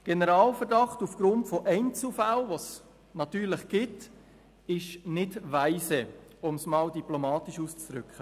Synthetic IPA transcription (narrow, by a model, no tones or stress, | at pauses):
ɡ̥enəɾɑːlfəɾdɑχtufɡ̥ɾʊntfoʔɛɪnt͡sufalʋos | nɑtyːɾləχɡ̥ɪt | ɪʃnɪdʋæɪsɛʊmsmɑːldiplomɑːtiʃuːst͡sd̥ɾʏkχə